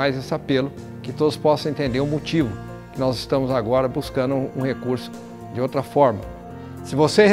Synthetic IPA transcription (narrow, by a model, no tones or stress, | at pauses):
ajzesɪapelʊ | kɪt̪od̪ʊspɔsɐ̃ẽt̪ẽnd̪eɾʊ̃mot͡ʃivʊ | kɪnɔzɪst̪ɐ̃mʊzaɡɔɾɐbuskɐ̃nd̪ʊṵ̃hekuɾsʊ̥ | d͡ʒɪowt̪ɾɐfɔɾmɐ | sɪvoseh